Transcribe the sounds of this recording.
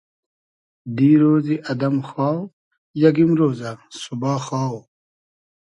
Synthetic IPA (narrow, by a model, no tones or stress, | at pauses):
d̪iːɾoːziʔɐd̪ɐmxaːw | jɐɡimɾoːzasubaːxaːw